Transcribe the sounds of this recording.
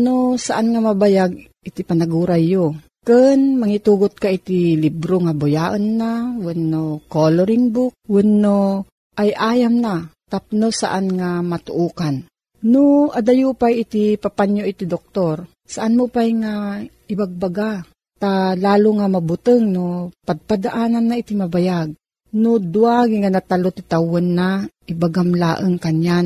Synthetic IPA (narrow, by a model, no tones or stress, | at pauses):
nosaʔanŋamabajaɡ̚ | ɪt̪ipanaɡuːɾajːo | kɨnmɐŋit̪uːɡot̪̚kaʔit̪ilibɾoŋabʊjaʔɐnːawɛnːokoloɾɪŋbʊk̚wʊnːo | ʔajʔaːjamnat̪ap̚nosa̰ʔanŋamat̪ʊʔuːkan | noʔad̪ajupajɪt̪ipapaɲjoʔɪt̪id̪ok̚t̪oɾ | saʔanmopajŋa | ɪbaɡ̚baɡa | t̪alaːlʊŋamabʊt̪əŋnopaɡ̚pad̪aʔaːnanːaʔɪt̪imɐbajaɡ̚ | nod̪uaɡiŋanat̪alot̪ɪt̪awʊnːaʔɪbaɡamla̰ʔəŋkaɲjan